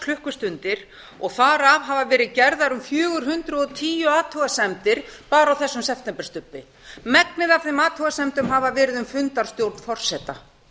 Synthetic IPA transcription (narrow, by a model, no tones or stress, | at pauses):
kʰlʏhkʏst̪ʏnt̪ɪɾ̥ | ɔɣθaɾavɦaːvavɛːɾɪðcɛɾðaɾʏmfjœːɣʏɾ̥ɦʏnt̪ɾʏɔt̪ʰiːjʏaːt̪ʰuɣasɛmt̪ɪɾ̥paːɾawθɛsːʏmsɛft̪ɛmpɛ̥ɾ̥st̪ʏpːɪ | mɛknɪðafθɪmaːt̪ʰuɣasɛmt̪ʏmɦaːvavɛːɾɪðʏmfʏnt̪aɾ̥st̪jowɾt̪nfɔr̥sɛːt̪a